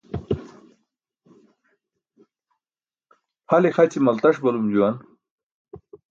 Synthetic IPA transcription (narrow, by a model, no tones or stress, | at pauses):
halexat͡ɕimɐlt̪aʂbalumd͡ʑuwan